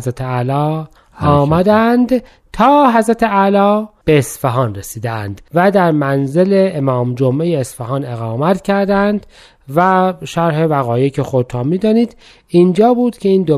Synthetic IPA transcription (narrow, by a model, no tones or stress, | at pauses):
zɾæt̪ʰeælɒː | mæd̪ænd̪ | t̪ʰɒːɦæzɾæt̪ʰeælɒːb̥eːsfeɦɒːnresiːd̪ænd̪væd̪æɾmænze̞leːmɒːmd͡ʒomʔe̞jeːsfeɦɑːne̞ɣɑːmæt̪ʰcʰæɾd̪ænd̪̥ | væʃæɾɦe̞væɣɒːjecʰexod̪̚t̪ʰɑːmmiːd̪ɒːniːd̪ | ind͡ʒɒːbuːd̪̥cʲʰe̞iːnd̪o